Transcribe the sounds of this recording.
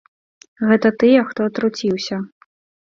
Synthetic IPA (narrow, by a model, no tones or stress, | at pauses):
ɣɛt̪ɐt̪ɨjɛxt̪ɔt̪ɾut͡sʲiwsʲɐ